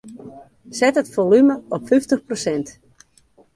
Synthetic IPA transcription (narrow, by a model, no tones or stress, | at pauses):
sɛtətfolyməɔpfyftəxprosɛnt